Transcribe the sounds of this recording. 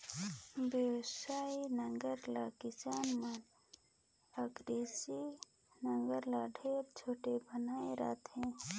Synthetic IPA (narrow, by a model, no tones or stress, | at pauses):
bjəwsaːinəŋɡəɾlakɪsaːnman | əɡɾesi | nəŋɡəɾlaɖʱeːɾt͡ʃʰoːʈebənaːeɾa̰ːt̪ɦɛ̃ː